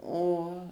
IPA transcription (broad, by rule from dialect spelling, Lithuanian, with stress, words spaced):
ˈoː